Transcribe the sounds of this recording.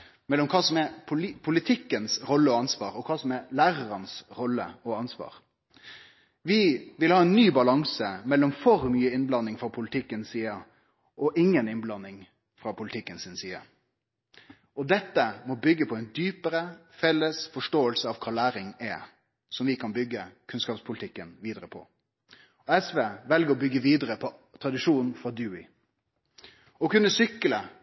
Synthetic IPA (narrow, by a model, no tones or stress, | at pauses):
mɛlːɔmkʰɑːsɔmɛpʰʊpʰʊlɪt̪ʰɪkːənsɾɔlːəɔɑnsʋɑːɾɔkʰɑːsɔmɛlæːɾəɾənsɾɔlːə̰ɔɑnsʋɑ̰ːɾ | ʋɪʋɪlhɑːɛnːyːbɑlɑŋsəmɛlːɔmfɔɾmyːəɪnblɑnːɪŋfɾɑːpʰʊlɪt̪ʰɪkːənsiːə | ʔɔʔɪŋːənɪnblɑnːɪŋ | fɾɑpʰʊlɪt̪ʰɪkːənsɪnsiːə̰ | ɔd̪ɛt̪ːəmɔbʏɡːəpʰɔɛnd̪yːpəɾə | fɛlːəsfɔʂʈoːəlsəɑʋkʰɑːlæːɾɪŋɛ | sɔmʋɪkʰɑnbʏɡːəkʰʉnskɑːpspʰʊlɪt̪ʰɪkːənʋiːd̪əɾəpʰɔ̰ | ɔɛsʋeːʋɛlɡəɾɔbʏɡːəʋiːd̪əɾəpʰɔt̪ʰɾɑd̪ɪʂuːnn̩fɾɑd̪ʉːɪ̰ | ɔkʉnːəsʏkːələ